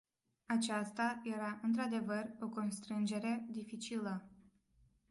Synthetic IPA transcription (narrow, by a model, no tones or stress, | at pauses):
at͡ʃast̪aje̞ɾaʔɨnt̪ɾad̪e̞vəro̞ko̞nst̪ɾɨnd͡ʒe̞ɾe̞d̪ifit͡ʃilə